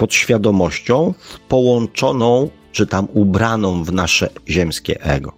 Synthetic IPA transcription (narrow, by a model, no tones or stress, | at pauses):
pɔt̪ɕfʲjad̪ɔmɔɕt͡ɕɔ̃w̃pɔwɔnt͡ʂɔnɔ̃w̃ | t͡ʂɘt̪amubɾanɔ̃w̃vnaʂɛ̰ʑɛmskʲɛ̰ʔɛ̰ɡɔ